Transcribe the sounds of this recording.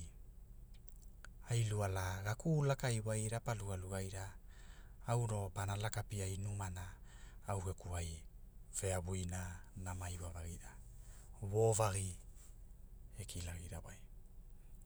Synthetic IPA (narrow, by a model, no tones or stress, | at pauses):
ajlualaɡakulakajwajɾapaluɡaluɡajɾaː | wɾo̞panalakapiajnumanaːwɡe̞kuajve̞aβujnanamajwavaɡiɾa | wovaɡi | ekʰilaɡiɾawaj